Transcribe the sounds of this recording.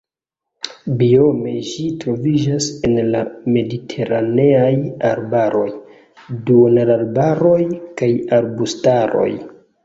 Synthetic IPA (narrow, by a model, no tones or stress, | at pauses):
bio̞me̞ʒitɾo̞vid͡ʒase̞nlame̞ditʰe̞ɾane̞ajaɾbaɾo̞j | duonalaɾbaɾo̞jkajaɾbustaɾo̞̰j